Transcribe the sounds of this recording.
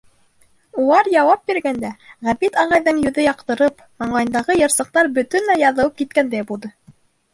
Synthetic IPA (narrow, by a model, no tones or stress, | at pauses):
ulˠɑɾjɑwɑp̚biɾɡænd̪æʁæbit̪ɑʁɑjðɤŋjɵ̆ðɵjɑqt̪ɤ̆ɾɤp | mɑɴlˠɑjɤ̆nd̪ɑʁɤjɤ̆ɾsɤ̆q̚t̪ɑɾbɵ̆t̪ɵnlæjɑðɤ̆wɤp̚kit̪̚kænd̪æjbulˠd̪ɤ